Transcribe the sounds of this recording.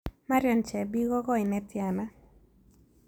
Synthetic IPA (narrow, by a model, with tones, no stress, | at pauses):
ma˦ɾjɔ˨nt͡ʃɛ˨bi˦ɡɔ˦ɡɔ˦ɪ˨nɛ˦tja˨na˦